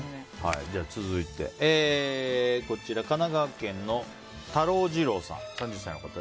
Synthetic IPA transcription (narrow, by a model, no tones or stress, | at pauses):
ha̰ḭd͡ʑaːt͡sɨzɨit̪e̞̰ʔeː | ko̞t͡ɕiɾakanaɡakẽ̞nːo̞ | t̪aɾo̞ːd͡ʑiɾo̞ːsã̰ŋsãɲ̟d͡ʑɨsːaĩno̞kat̪a